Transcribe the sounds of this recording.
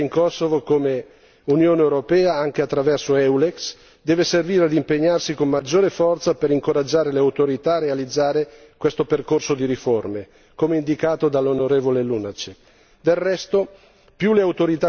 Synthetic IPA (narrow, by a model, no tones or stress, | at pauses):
iŋkɔsːovokome | unjoːneewɾopɛːaaŋk̟eat̪ːɾavɛrsoɛwleks | d̪ɛːveserviːɾead̪impeɲːarsikomːad͡ʒːoːɾefɔrt̪sapeɾiŋkoɾad͡ʒːaːɾeleawt̪oɾit̪aːrealid̪zːaːɾe | kwest̪operkorsod̪iɾiforme | komeind̪ikaːt̪od̪alːonoɾeːvolelunat͡ʃek | d̪elrɛst̪o | pjuleawt̪oɾit̪a